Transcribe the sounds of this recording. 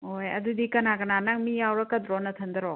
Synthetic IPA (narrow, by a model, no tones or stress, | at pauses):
hojɐ̰d̪udikɐnakɐnanaŋmijawɾɐkɐd̪ɾɔnɐt̪ʰɐnd̪ɐɾɔ